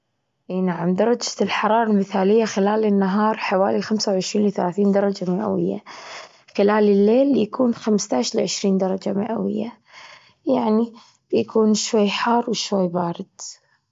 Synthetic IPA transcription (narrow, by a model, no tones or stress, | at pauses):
ʔiːnaʕamd̪ɑɾˤɑd͡ʒḁlħɑɾˤɑːɾˤɑlmɪθaːlɪjːaxɪlaːlɪnːaɦɑːɾˤħawaːlilxamsawʕɪʃɾiːnlɪθalaːθiːnd̪ɑɾˤɑd͡ʒamɪʔa̰wɪ̰jːa̰ | xɪlaːlɪlːeːljakʰuːnxamst̪aʕʃlɪʕɪʃɾiːnd̪ɑɾˤɑd͡ʒamɪ̰ʔa̰wɪ̰jːa̰ | jaʕni | b̥jakʰuːnʃwajːħɑːrˤwɪʃwajːbaːɾɪd̪̥